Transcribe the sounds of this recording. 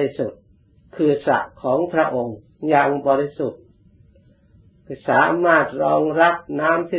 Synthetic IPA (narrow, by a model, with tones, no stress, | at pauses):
i˦˧su˨˩t̪̚ | kʰɯː˨˩sa̰˨˩ʔkʰɔː˩˦ŋpʰɾa˦˥ʔo˧ŋ | jaː˨˩ŋbɔː˧ɾi˦˥su˨˩t̪̚ | kːsaː˩˦maː˥˩t̪̚ɾɔː˧ŋɾa˦˥p̚naː˦˥mt̪ʰiː˥˧˩